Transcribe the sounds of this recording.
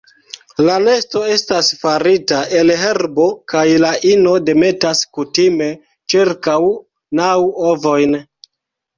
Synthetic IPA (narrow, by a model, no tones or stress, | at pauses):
lane̞sto̞e̞stasfaɾitaʔe̞lɦe̞ɾbo̞kajlaʔino̞de̞me̞taskutime̞ | t͡ʃiɾkaw | nawovo̞jn